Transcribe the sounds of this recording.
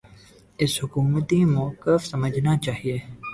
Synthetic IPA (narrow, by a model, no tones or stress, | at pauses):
ɪshʊkuːmət̪imoːkəfsɐməd͡ʒʱnat͡ʃaːɦieː